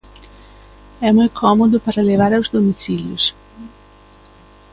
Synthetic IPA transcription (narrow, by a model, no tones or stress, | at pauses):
ɛmũj̃kʰomod̪ʊpaɾɐlevaɾaʊzd̪omisiljʊ̰s